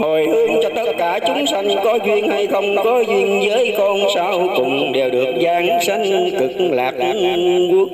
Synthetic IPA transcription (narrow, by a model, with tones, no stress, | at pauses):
ho˨˩jhɨ˨˦əŋt͡ɕɔ˧t̪ə˦˥t̚kaː˧˩t͡ɕʊ˨˦ŋ͡msa˧jŋ̟kɔ˨˦zwi˧ənha˧jxə˧wŋ͡mkɔ˨˦zwi˧ənzəː˨˦jkɔ˧nsaː˧wkʊ̰˨˧˨ŋ͡mɗe˨˩wɗɨ˨˩ək̚zaː˧ŋsa˧ŋ̟k̪ɨ˨˩k̚laː˨˩k̚k